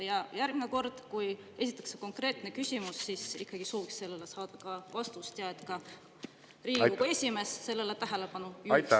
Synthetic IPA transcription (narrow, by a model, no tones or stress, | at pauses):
jɑjærɡ̥neko̞rd̪̥kuj | e̞s̬ʲit̪ːˑɑ̥kseko̞ŋkre̞ːt̪ne̞kysʲimusːisikːɑɡ̥isoːviksse̞lːelesɑːd̪̥ɑkɑvɑst̪ust̪jɑet̪ˑkɑ | riːuuesʲime̞ːsse̞lːe̞let̪æɦe̞lepɑnuj